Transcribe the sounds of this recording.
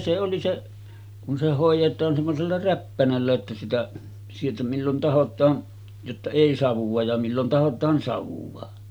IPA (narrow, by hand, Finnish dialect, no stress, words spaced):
se oli se kun se hoˑijˑetˑɑːn semːoselːɑ ræpːænælːæ ĕtːæ sitæ sieltæ milːon tɑhotˑɑːn jotːɑ eˑi sɑʋuʋ̆ɑ jɑ milːon tɑhotˑɑːn sɑʋuʋɑ